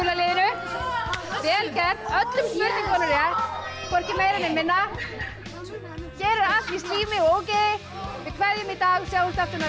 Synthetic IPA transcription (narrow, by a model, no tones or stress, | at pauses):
ulalɪːðɪnʏ | vɛːlcɛɾœt̪lʏmspʏɾt̪ɪŋkʰɔnʏɾjakʰɔr̥cɪmeːjɾanɛnmɪnːa | cɛːɾʏɾat̪ist̪liːmɪoːwceðɪ | vɪðkʰvɛðjʏmɪt̪aːɣsjaːwlst̪aft̪ʏna